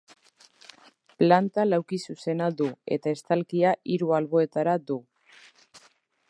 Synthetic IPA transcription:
plant̪alawkisuse̞nad̪ue̞̰t̪ae̞st̪alkiaʔiɾualβo̞e̞t̪aɾad̪u

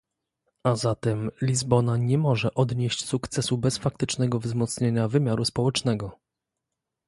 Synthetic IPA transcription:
azat̪ɛmlʲizbɔnaɲɛmɔʐɛʔɔd̪ɲeɕt͡ɕsukt̪sɛsubɛsfak̚t̪ɘt͡ʂnɛɡɔvzmɔt̪sɲeɲavɘmʲjaɾuspɔwɛt͡ʂnɛɡɔ

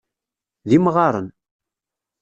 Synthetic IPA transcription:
ðimʁɑɾˤə̰n

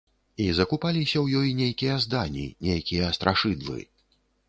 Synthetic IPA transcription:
izɐkupalʲisʲɐwjɔjnʲejkʲijɐzd̪anʲḭnʲejkʲijɐst̪ɾʔaʂɨd̪vɨ̰

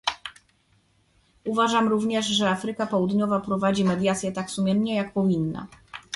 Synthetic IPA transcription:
uvaʐamɾuvɲɛʐʐɛafɾɘkapɔwud̪ɲɔvapɾɔvad͡ʑimɛd̪ʲjat̪sʲjɛt̪aksumʲjɛmɲɛjak̚pɔvʲinːa̰

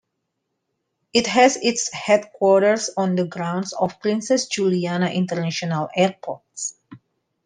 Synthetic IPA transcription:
ʔɪt̪hɛsɪtshɛd̚kwɔɹɾəɹsɔ̃nd̪əɡɾãw̃ndsɔfpɾĩnsɛsd͡ʒulianaʔĩnt̪əɹnaʃɔnalɛɹpʰɔɹts

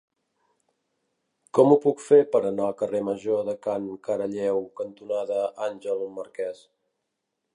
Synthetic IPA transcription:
kɔmupukfepəɾənaəkəreməʒoðəkaŋkəɾəʎɛwkənt̪unaðəanʲʒəlˠməɾkɛs

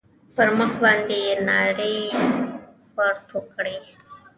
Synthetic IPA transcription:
pəɾməxbaːnd̪inaːɽeː | pəɾt̪ʰoːkɽeː

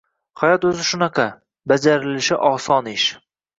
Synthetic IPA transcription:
hajɒt̪ɵzɪʃʊnɑqʰɑ | bad͡ʒaɾɪlɪʃɪʔɒsɒnɪʃ

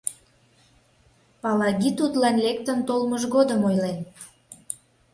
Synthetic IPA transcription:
pɑlɑɣʲit̪ut̪lɑnlek̚t̪ənt̪olməʒɣod̪əmojlen

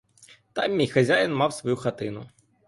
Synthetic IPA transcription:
t̪ɑmːʲijxɐzʲajɐnmɑwsʋɐjuxɐt̪ɪnʊ

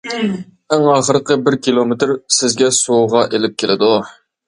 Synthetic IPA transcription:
æŋɑχəɾəqəbɪɾkʲʰilˠomɪt̪ɾsɪzɡʲɛsuʁɑʔelɪp̚kʲʰelɪd̪u

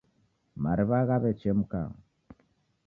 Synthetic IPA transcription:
maɾiβaɣaβɛt͡ʃɛmuka̰

